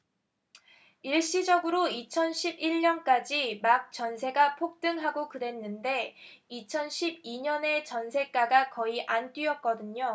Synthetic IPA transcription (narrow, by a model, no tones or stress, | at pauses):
iɭɕ͈id͡ʑʌɡɯɾoit͡ɕʰʌnɕʰibiɭɲʌnk͈ad͡ʑimak̚t͡ɕ͈ʌnsʰe̞ɡapʰok̚t͈ɯŋɦaɡokɯde̞nːɯnde̞it͡ɕʰʌnɕʰib̚iɲʌne̞t͡ɕʌnsʰe̞k͈aɡakʌiʔant͈ɥiʌt̚k͈ʌdɯɲo